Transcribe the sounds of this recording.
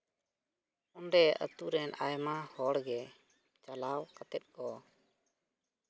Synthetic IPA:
ɔnɖɛə̰t̪uɾɛnʔajmahɔɽɡɛ | t͡ʃalawkat̪ɛt̪̚ˀkɔ

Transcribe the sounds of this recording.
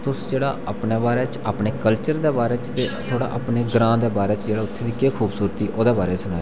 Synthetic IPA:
t̪ʊsd͡ʒeːɽa̰ːʔa̰ːpneːbaːɾeːt͡ʃaːpɳeːkəlt͡ʃəɾd̪eːbaːɾɛːt͡ʃt̪eːt̪ʰoːɽa̰ːʔa̰ːpneːɡɾãːd̪eːbaːɾɛːt͡ʃd͡ʒeːɽaːʊt̪ʰːeːʋiːkeːkʰuːbsuːɾt̪iːʔoːd̪eːbaːɾeːsəlaːe

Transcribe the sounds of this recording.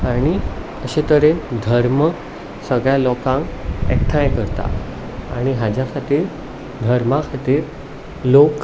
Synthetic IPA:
aɽ̃i | əɕet̪əɾend̪ʱəɾmə | səɡɭjalɔkãŋkɛ̰kʈʰãjkəɾt̪a̰ | a̰ɽ̃iɦad͡ʑjakʰat̪iːɾ | d̪ʱəɾmakʰat̪iːɾ | lok

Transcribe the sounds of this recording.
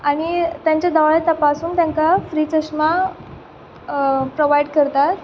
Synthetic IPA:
aɽ̃it̪jãɲt͡ɕjad̪aʋaɭet̪əpasuːnt̪jãŋkafɾiːt͡səsma | pɾoʋaiɖkəɾt̪at̪̚

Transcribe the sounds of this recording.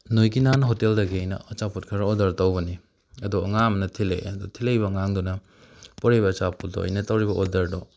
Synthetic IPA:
nojɡinanɐɦoteldɐɡiɐjnɐ̰ɐt͡ʃaput̚kʰɐɾɐodɐɾtɐwbɐni | ɐduɐŋamnɐtʰilḛjɐdutʰilejbɐŋaŋdunɐ | poɾejbɐːt͡ʃaput̚do̰ɐ̰jnɐtɐwɾibɐʔodɐɾdɔ

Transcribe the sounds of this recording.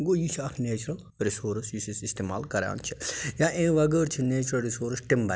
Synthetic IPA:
ɡojisʰɐkʰneːt͡ʃɾɐl | ɾisoːɾsjisisist̪eːma̰ːlkɐɾa̰ːnt͡ʃʰi̥jaʔẽʋɐɡəːɾt͡ʃʰineːt͡ʃɾɐlɾisoːɾsʈimbɐ

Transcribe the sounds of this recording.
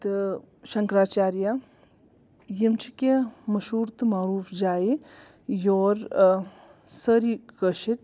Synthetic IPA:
t̪ | ʃɐŋkɾaːt͡ʃaːɾja | jimt͡ʃʰikemɐʃuːɾt̪maːɾuːfd͡ʒaːi | joːɾ | səɾikəʃit̪ʲ

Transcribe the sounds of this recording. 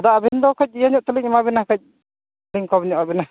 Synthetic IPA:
d̪aʔbɛnd̪ɔkəc̚ijaɲɔʔt̪əliŋimabɛnahkəc̪̚ | liŋkɔbɛɲɔʔabɛna

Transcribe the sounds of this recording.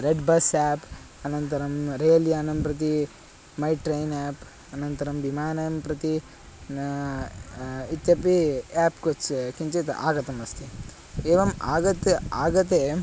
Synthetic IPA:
ɾeɖbɐsaːp | ɐnɐnt̪ɐɾɐmɾeːljaːnɐmpɾɐt̪̬i | mɐjʈɾɐjnaːp | ɐnɐnt̪ɐɾɐmʋimaːnɐjɐmpɾɐt̪i | it̪jɐpiaːpkot͡ʃkiɲt͡ʃet̪a̰ːɡɐt̪ɐmɐst̪i | eːʋɐma̰ːɡɐt̪aːɡɐt̪̬eː

